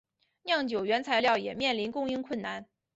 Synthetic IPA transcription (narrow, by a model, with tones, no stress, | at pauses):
njɑ˥˩ŋt͡ɕjo˨˩ʊɥɛ˧˥nt͡sʰa˧˥ɪljɑ˥˩ʊjɛ˨˩mjɛ˥˩nli˧˥nkʊ˥ŋi˥ŋkʰwə˥˩nna˥˩n